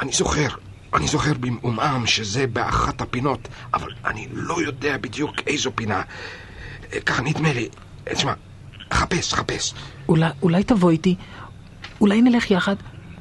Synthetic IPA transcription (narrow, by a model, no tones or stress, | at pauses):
ʔanizo̞χe̞ʁ | ʔanizo̞χe̞ʁbimumʔamʃeze̞bea̰χathapino̞ta̰va̰la̰nilo̞jo̞deabid̪jukejzopina | kaχaniid̪meli | tʃma | χapesχape̞sulaulajtavo̞jti | ulajnele̞χjaχad